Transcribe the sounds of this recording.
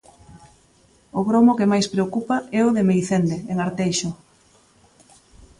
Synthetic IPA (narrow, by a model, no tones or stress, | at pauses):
ʊɣɾomʊkemajspɾeokupaʔɛʊðemejθend̪eeŋaɾt̪ejʃʊ